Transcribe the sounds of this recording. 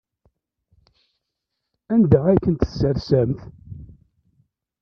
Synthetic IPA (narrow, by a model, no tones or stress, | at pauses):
ænd̪əʕakːənt̪əsːəɾsæmθ